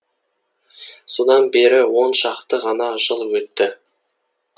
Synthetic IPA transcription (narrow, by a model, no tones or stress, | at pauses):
so̞d̪ɑnbe̞ɾɪwo̞nʃɑqt̪əʁɑnɑʒəlˠwɵt̪ːɪ